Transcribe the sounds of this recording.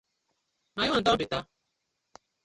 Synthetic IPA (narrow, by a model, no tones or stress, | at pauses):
majɔdɔbɪta